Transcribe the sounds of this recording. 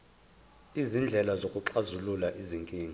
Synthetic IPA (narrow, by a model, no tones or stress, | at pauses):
izind͡ɮʱɛlazokʼuǁazululaʔiziŋkʼiːŋʱi